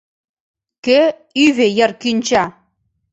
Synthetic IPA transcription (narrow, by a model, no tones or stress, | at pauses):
ke | yβejərkynʲt͡ɕɑ